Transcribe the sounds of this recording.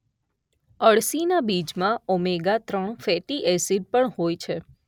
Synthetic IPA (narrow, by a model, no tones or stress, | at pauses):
əɭsinabid͡ʒmãɔmeɡat̪ɾəɳfɛʈiʔɛsiɖ̚pəɳhojt͡ʃʰe